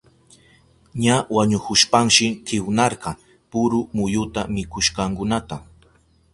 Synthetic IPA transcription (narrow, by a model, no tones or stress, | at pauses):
ɲawaɲʊkʊʃpaŋʃɪkʰɪwnɑɾɢɑ | pʊɾʊmʊjʊt̪amɪkʊʃkɑŋkʊnat̪a